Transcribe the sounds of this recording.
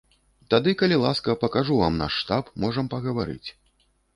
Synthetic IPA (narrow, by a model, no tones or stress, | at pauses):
t̪ad̪ɨkɐlʲilˠaskɐpɐkaʐuvamna̰ʂːt̪apmɔʐɐmpɐɣɐvaɾɨ̰t͡sʲ